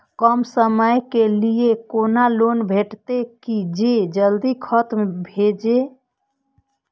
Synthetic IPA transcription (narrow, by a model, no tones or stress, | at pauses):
kəmsəməjkeliekonalonbʱeʈt̪ekid͡ʒed͡ʒəld̪ikʰət̪mebʱed͡ʒe